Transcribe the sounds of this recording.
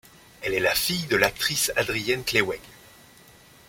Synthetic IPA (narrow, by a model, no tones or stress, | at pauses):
ɛlɛlafijd̪əlak̚t̪χisad̪ʁijɛnklewɛɡ